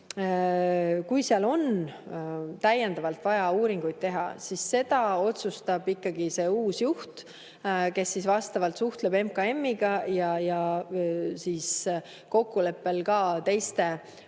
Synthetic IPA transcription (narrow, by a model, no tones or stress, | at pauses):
kujseɑlo̞n | t̪æjːend̪̥ɑvɑlt̪ˑvɑjɑuːɾiŋɡ̥ujd̪̥̚t̪e̞ɦɑ̰sisːe̞d̪̥ɑo̞t̪sust̪ɑb̥ikːɑɡ̥ise̞uːsjuht̪ | ke̞sːisvɑst̪ɑvɑlt̪suht̪le̞be̞mkɑe̞mːiɡ̥ɑjɑjɑ | siːs | ko̞kːule̞pːe̞lkɑːt̪e̞jst̪e̞